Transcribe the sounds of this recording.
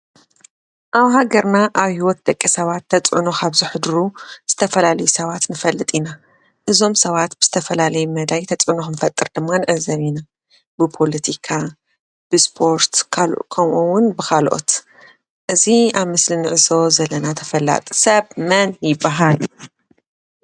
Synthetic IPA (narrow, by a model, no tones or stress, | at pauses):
ʔaβhaɡɐɾnaʔaβhiwɔt̪̚d̪ɐkʼːisɐβat̪ʰːɐt͡sʼʕuno̞kʰaβziħɨd̪ɾuz̥ɨt̪ʰɐfɐlalɐjusɐβat̪nɨfɐlːɨt̪ʼina | ʔɨzo̞msɐβat̪bɨz̥ɨt̪ʰɐfɐlalɐjumɐd̪ajt̪ʰɐt͡sʼʕɨnoxɨnfɐt̪ʼːɨɾd̪ɨmːanɨʕɨzɐβina | bɨpʰo̞lɐt̪ʰikʰa | b̥ɨspʰo̞ɾt̪ʰkʰɐmʔuwʊnbɨkʰalʔo̰t̪ | ʔɨziaβmɨslinɨʕɨso̞zɐlːɐnat̪ʰɐfɐlːa̰t̪ʼsɐβmɐnjɪbːaɦal